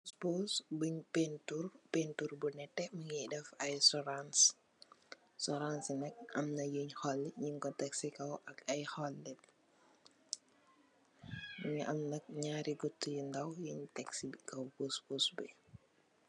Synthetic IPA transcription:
kusbosbuɲpenturpenturbunɛtːɛmɐŋidɛfɐjsɔɾans | sɔɾansnɛk̚ʔɐmnɐjuɲhɔlːiɲiŋkɔtɛksikɐwʔɐkɐjhɔlːit̚ | muɲʔɐmnɐk̚ɲaːɾiɡutːujindɐwjuɲtɛksikɐwkusboːsbɛ

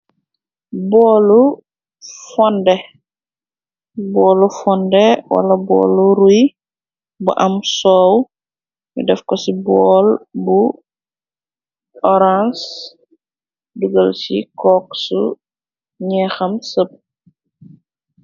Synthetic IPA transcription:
bɔːlu | fɔndɛ | bɔːlufɔndɛwɐ̰lɐbɔ̰ːluɾuj | buʔɐmsɔːw | jṵdɛfkɔsibɔːlbu | ɔɾans | duɡəlsḭkɔksṵ | ɲɛxɐmsəp̚

